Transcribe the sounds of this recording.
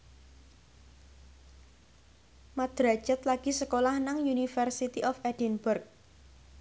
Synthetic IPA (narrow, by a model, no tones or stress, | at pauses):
mad̪̥ɾḁd͡ʒ̥ət̪laɡ̥isəkolahnaŋjunifərsit̪iʔɔfɛd̥inbʊrk̚